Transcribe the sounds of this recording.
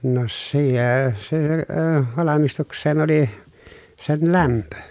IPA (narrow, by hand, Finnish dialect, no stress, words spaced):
no sieː se əː ʋɑlɑmistuksˑeːn oli sen læmpø